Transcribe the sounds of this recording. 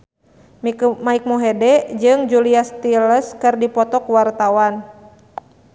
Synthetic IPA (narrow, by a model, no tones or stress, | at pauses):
mmaik̚mɔɦɛdɛd͡ʒɨŋd͡ʒuliast̪iləskɨrdipɔt̪ɔkuwart̪awan